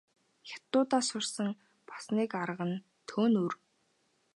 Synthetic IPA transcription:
xʲḁt̪ːʊːt̪aːsʊrsə̆ŋ | pḁsniːkaɾəʁə̆n | t̪ʰoːnur

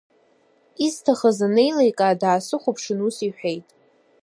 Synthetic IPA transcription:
iztʰaχazanejlejkʼaːdaːsɨχʷʊpʰʂɨnusiħʷᶣejtʼ

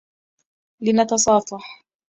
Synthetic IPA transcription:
lɪnɑt̪ɑsˤɑːfɑħ

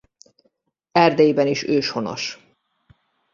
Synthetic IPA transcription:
ɛrd̪ɛjibɛniʃøːʃho̞no̰ʃ

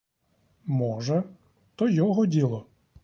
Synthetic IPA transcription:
mɔʒɛ | t̪ɔjɔɦɔdʲilˠɔ

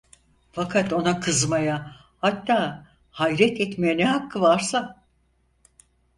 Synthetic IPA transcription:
fakʰat̪o̞nakʰɯzmaja | hat̪ːaː | hajɾɛt̪ʰɛt̪mejɛnɛɦakʰːɯvaɾsa

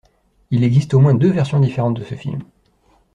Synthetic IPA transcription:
ilɛɡzist̪omwɛ̃d̪øvɛʁsjɔ̃d̪ifeʁɑ̃t̪̚d̪əsəfḭlm

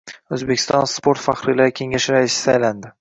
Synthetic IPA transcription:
ɵzbekʲʰɪst̪ɒnspoɾt̪faχɾɪlaɾɪkʲʰe̞ŋaʃɪɾaɪsɪ̥ajland̪ɪ

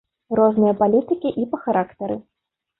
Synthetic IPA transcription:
rɔznɨjɐpalʲit̪ɨkʲiʔipɐxaɾʔakt̪ɐɾɨ

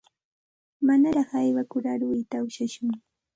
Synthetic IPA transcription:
manaɾɑχajwakʊɾaɾwɪjt̪aʊʃaʃʊŋ

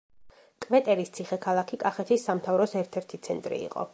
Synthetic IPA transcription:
kʼvɛt̪ʼɛɾist̪sʰiχɛkʰalˠakʰikʼaχɛt̪ʰisːamt̪ʰavɾɔsɛɾt̪ʰɛɾt̪ʰit̪sʰɛnt̪ʼɾḭḭqʼɔ̰

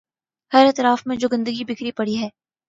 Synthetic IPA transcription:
hɐɾɛt̪ɾaːfmẽd͡ʒoːɡɐ̃nd̪əɡibɪkɾipɐɽiɦɛː

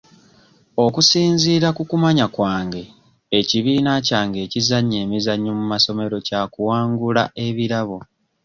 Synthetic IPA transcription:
o̞kusiːnziːɾakukumaɲakwaːŋɡe̞ː | ciβiːnacaːŋɡe̞ːcizaɲːeːmizaɲːomumaso̞me̞ɾo̞cakuwaːŋɡula̰ʔe̞βiɾaβo̞

